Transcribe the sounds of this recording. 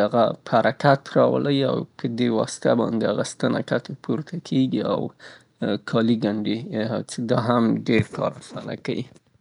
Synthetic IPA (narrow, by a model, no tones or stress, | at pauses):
aɣaphaɾʔakat̪ɾɑw̰laja̰wpʰəd̪ewɑsɪ̥t̪abɑ̰nd̪ehaɣast̪ana̰kat̪opʰuɾt̪ʰakʰeɡia̰w | kʰɑliɡaɳɖet͡ʃed̪ɑɦamɖeɾkɑ̰ɾaxt̪ana̰kawi